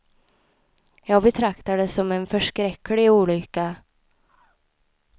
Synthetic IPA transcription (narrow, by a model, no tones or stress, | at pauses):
jɑːɡbɛt̪ʰɾakt̪ad̪əsːɔmɛnfœʂkɾɛkːlɪuːlʏkːa